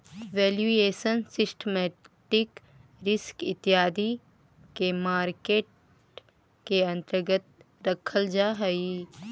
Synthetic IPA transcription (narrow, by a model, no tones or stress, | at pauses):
ʋeːljueːʃənsɪsʈemɛːʈɪk | ɾɪskɪt̪ːɪɦaːd̪i | kemaːɾkeːʈ̚ | keɐ̃nt̪əɾɡət̪̚ | ɾəkʰəld͡ʒaːɦɐi